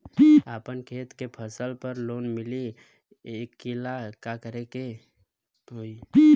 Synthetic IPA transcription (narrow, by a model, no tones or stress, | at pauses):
apənkʰeːt̪kepʰəsəlpəɾloːnmɪli | ekːilakakəɾeke | ɦoi